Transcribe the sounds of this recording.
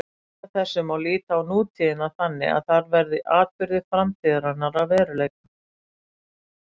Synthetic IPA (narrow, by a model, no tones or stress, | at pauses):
aθɛsːʏmawliːt̪aawnuːt̪ʰiðɪnaθanːɪ̰a̰ðθaɾvɛɾðɪʔaːt̪̚pɪɾðɪ̥fɾamt̪ʰiːðaɾanːaɾavvɛːɾʏleːjka